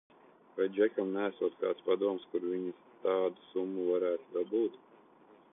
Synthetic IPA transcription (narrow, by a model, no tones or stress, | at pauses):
vajd͡ʒʲækʲɔmnʲæːsuɔt̪ka̰ːt̪spad̪uɔmskuɾvʲiɲist̪ɑːd̪usumːuvaɾæːt̪ud̪abuːt̪